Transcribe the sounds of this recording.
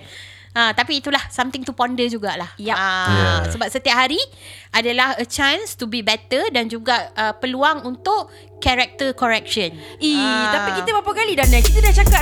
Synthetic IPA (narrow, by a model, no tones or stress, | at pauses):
ʔət̪apiːt̪ulahsamt̪ɪŋt̪upɔndəd͡ʒuɡaʔlahjjaəsəbap̚sət̪iap̚ɦaɾi | ʔadalahət͡ʃãnst̪ubibɛt̪ədand͡ʒuɡaʔəpəluaŋunt̪ʊʔ | kɛɾɛk̚t̪əkɔɾɛk̚ʃənit̪apikiəbapakalidanãkit̪adaht͡ʃaka